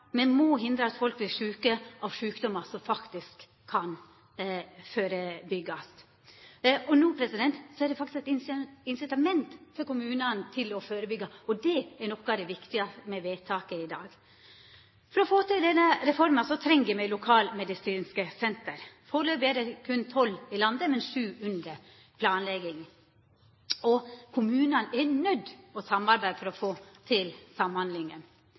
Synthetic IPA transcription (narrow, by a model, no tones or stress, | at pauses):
mɛnmɔɦɪnd̪ɾəɑt̪fɔlkʋɪlʂʉːkəʔɑʋʂʉːkd̪ɔmːɑsɔmfɑkt̪ɪskʰː | ɑn | føːɾəbʏɡːɑs | ɔnuːpʰɾɛsɪd̪ɛnt̪sɔæɾɖ̪ɛfɑkt̪ɪskɛt̪ɪnɪnsɪt̪ɑmɛnt̪fɔɾkʊmʉːnənt̪ʰɪlɔføːɾəbʏɡːɑɔd̪ɛɛɾnɔkːɑd̪ɛʋɪkt̪ɪɑmɛʋeːt̪ʰɑːkəɪd̪ɑːɡ | fɔɾɔfoːt̪ɪld̪ɛnːəɾɛfɔɾmənsɔt̪ʰɾɛŋːʋɪmɛɪlʊkʰɑːlmɛd̪ɪsiːnskəsɛnt̪əɾfoːɾløːbeːd̪əkʰʉnt̪ʰɔlɪlɑnd̪əmɛnʂʉːʉnd̪ɾə | pʰlɑːnlɛɡɪŋ | ɔkʰʊmʉːnənɛɾnœd̪ːɔsɑmːɑɾbæɪd̪fɔɾɔfoːt̪ʰɪlsɑmhɑnd̪lɪŋən